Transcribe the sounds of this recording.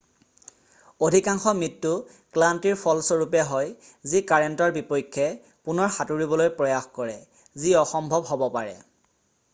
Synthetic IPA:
odʱikaŋxɔmɹitːʊ | klantiɹpʰɔlsoɹupɛɦɔj | zikaɹentɔɹbipɔjkʰːɛ | punɔɹxatuɹibɔlojpɹɔjaxkɔɹɛ | ziɔxɔmbʱɔbɦɔbɔpaɹɛ̰

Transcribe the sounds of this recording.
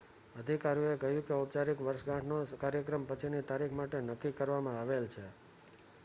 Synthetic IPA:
əd̪ʱikaɾijũekəɦjũkeup̚t͡ʃaɾikʋəɾʃɡãʈʰnokaɾjəkɾəmpət͡ʃʰinit̪aɾikʰmaʈenəkːikəɾʋamãaʋelt͡ʃʰe

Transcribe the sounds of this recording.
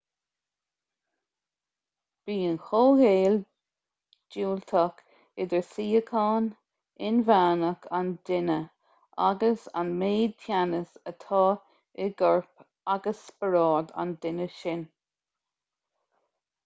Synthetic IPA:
b̥iːənxoːheːl | d͡ʒuːlt̪ʰək | ɪd̪əɹsiːəkʰɑːn | ɪnvaːnəkʰand̪ɪnə | ʔa̰ɡəsa̰nmeːd̪̚tʰjanəsət̪ʰɑː | ɪɡɔɹp | aɡəsbəɾɑːɹd̪a̰nd̪ɪnəʃɪn

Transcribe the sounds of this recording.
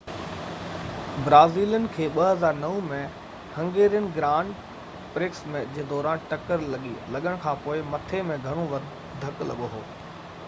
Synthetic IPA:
bɾaːziːljʊnɪ̆kʰeːɓɐɦɐzaːɾnɐʋũmẽ | hɐ̃ŋɡeːɾijənɪ̆ɡɾãːɳɖ | pɾɪksmẽd͡ʑeɦd̪ɔːɾaːnʈɐkəɾlɐɠilɐɠəɽ̃kʰãːpoːɪmɐt̪ʰemẽɡʱɐɽ̃oʋɐɾ | d̪ʱɐklɐ̰ɠoɦo̰ː

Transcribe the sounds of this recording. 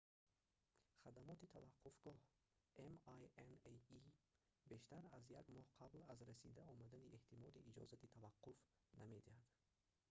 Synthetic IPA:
χad̪amɔt̪it̪ʰavaqʰːufɡ̥ɔh | ʔemajenei | be̞ʃt̪aɾazjaɡmɔhqʰablazɾasḭd̪æɔmad̪aniʔeht̪ʰimɔd̪iid͡ʒɔ̰zat̪it̪ʰavaqːuf | name̞d̪ihad̪̥

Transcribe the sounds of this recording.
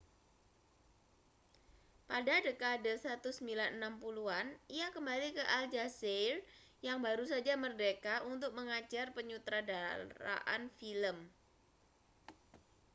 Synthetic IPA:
padadekadəsɾat̪usəmbilanənampuluaniakəmbalikəʔald͡ʒaserjaŋbaɾusad͡ʒamərdekaunt̪ʊk̚məŋat͡ʃarpəɲut̪ɾadaɾa̰ʔa̰nfiləm

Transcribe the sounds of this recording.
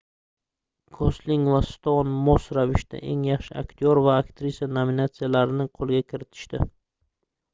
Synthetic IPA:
kʰosliŋvast̪onmosɾavɪʃt̪a̰ʔe̞ŋjɑχʃɪa̰kʲt̪ʰɪoɾvaːkt̪ʰɾisijanominat̪sijalaɾɪnɪqʰolˠɡʲakʲʰɪɾɪt̪ʰɪ̥ʃt̪ɪ

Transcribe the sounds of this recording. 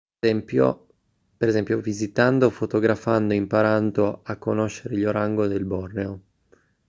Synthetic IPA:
ɛmpjo̰ | peɾezɛmpjovizit̪and̪ofot̪oɡɾafand̪oimpaɾand̪oakːonoʃːeɾeʎoɾaŋɡod̪elbɔrneo

